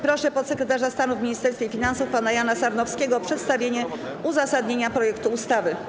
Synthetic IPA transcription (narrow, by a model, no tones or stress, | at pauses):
pɾɔʂɛpɔt̪sɛkɾɛt̪aʐast̪anuvmʲiɲist̪ɛɾsfʲjefʲinansufpanajanasaɾnɔfskʲeɡɔɔpʂɛt̪st̪avʲjeɲɛ | uzasad̪ɲeɲapɾɔjɛkt̪uːst̪avɘ